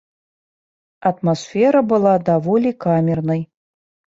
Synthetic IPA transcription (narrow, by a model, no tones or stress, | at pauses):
ɐt̪masfʲɛɾɐbɨlˠad̪avɔlʲikamʲɛrnɨj